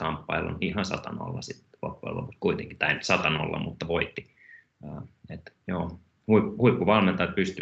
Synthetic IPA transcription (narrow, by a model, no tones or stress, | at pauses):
kɑmpːɑilːo̰nihɑnsɑ̰t̪ɑno̰lːɑ̰sit̪lo̰pːo̰ḛlːo̰pust̪kuit̪eŋki̥t̪ɑint̪sɑt̪ɑno̰lːɑ̰mut̪ːɑʋoit̪ːiː | et̪joː | huiphuipːuʋɑlment̪ɑjt̪̚pyst̪y